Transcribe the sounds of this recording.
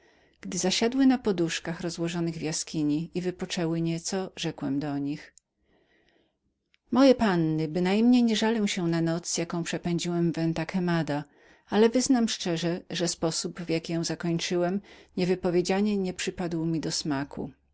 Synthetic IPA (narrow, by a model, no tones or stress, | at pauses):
ɡ̥d̪ɘzaɕad̪wɘnapɔd̪uʂkaxɾɔzwɔʐɔnɘɣvjaskʲiɲiivɘpɔt͡ʂɛwɘɲɛt̪sɔʐɛkwɛmd̪ɔɲix | mɔjɛpanːɘbɘnajmɲejɲɛʐalɛw̃ɕɛnanɔt̪sjakɔ̃w̃pʂɛpɛɲd͡ʑiwɛmvɛnt̪akɛmad̪a | alɛvɘznamʂt͡ʂɛʐɛʐɛspɔsubvjakʲijɔ̃w̃zakɔɲt͡ʂɘwɛmɲɛvɘpɔvʲjed͡ʑaɲɛɲɛpʂɘpad̪wmʲid̪ɔsmakʰṵ